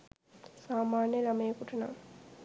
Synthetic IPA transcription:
saːmaːnjəlaməjekuʈɐna̰ŋ

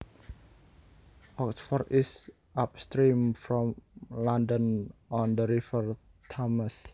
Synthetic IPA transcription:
ʔɔksfɔrt̪is | ʔap̚st̪ɾimfɾɔ̃mlandə̃nɔ̃nd̪əɾifər | t̪ʰɔməs

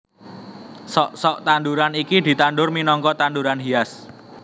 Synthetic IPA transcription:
sɔʔsɔʔt̪anduɾanikid̪̥i̤t̪anɖʊrminɔŋkɔt̪anduɾanɦias

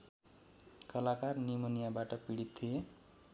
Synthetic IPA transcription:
kʌlakarnimʌnijabaʈʌpiɽit̪t̪ʰːije

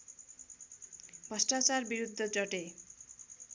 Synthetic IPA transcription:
bʱʌsʈat͡ɕaɾbiɾud̪ʱːod͡ʑɔʈe

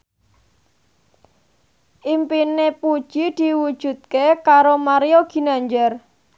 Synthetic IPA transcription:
ʔimpinepud̥ʒ̥id̪̥i̤wud̥ʒ̥ṳt̪̚kekaɾomaɾioɡ̥i̤naɲd͡ʒər

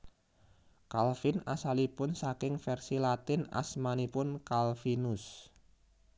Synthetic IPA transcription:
kalfinasalipʊnsakɪŋfɛrsilat̪ɪna̰smanipʊnkalfinʊs

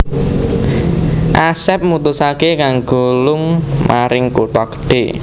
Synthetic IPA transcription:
ʔasɛp̚mut̪ʊsakekaŋɡo̤lʊŋmʔaɾɪŋkut̪ɔkə̥ɖ̥e

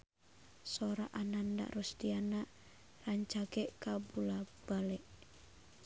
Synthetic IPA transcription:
soɾaʔananda̰ʔrɔsdiana | raɲt͡ʃaɡɛʔkabulab̥alɛʔ

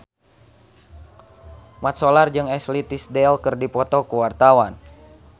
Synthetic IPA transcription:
mat̪̚sɔlard͡ʒɨŋɛslit̪isdɛlkɨrdipɔt̪ɔkuwart̪awan

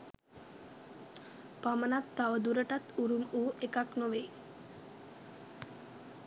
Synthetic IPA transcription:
pamənat̪ːaʋəd̪uɾəʈat̪uɾumuːekaknoʋe

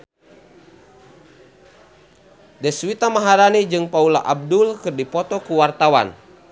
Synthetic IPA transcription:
dɛswit̪amaɦaɾanid͡ʒɨŋpaula̰ʔab̚dʊlkɨrdipɔt̪ɔkuwart̪awa̰n

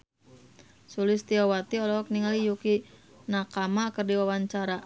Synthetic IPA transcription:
sulɪst̪iɔwat̪iɔlɔɔk̚niŋalijuki | nakamakərdiwawaɲt͡ʃaɾa

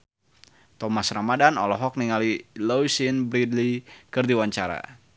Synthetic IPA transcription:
t̪ɔmasramadanɔ̰lɔɦɔk̚niŋalilowsinbɾid̪likɨrdiwaɲt͡ʃaɾa̰

